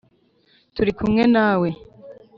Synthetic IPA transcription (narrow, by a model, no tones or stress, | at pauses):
tuɾikumŋe̞naːwe̞